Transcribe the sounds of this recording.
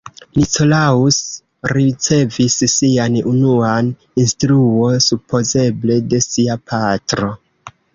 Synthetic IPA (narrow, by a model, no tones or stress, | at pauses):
niko̞laus | ɾit͡se̞vissianunuan | instɾuo̞nsupo̞ze̞ble̞de̞siapʰatɾo̞